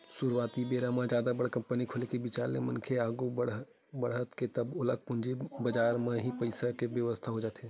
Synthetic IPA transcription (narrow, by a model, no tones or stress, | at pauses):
suɾwaːt̪ibeːɾamãd͡ʒjaːd̪abəɽkɐ̃mpənikʰʊlekebit͡ʃaːɾḛmənkʰeaːɡubəɽ | bəɽɦət̪ket̪ɐbʊləɡ̚pʊ̃nd͡ʒibɐd͡ʒaːɾmẽɦipəɪsakebjəʋəst̪ʰaɦod͡ʒaːt̪eː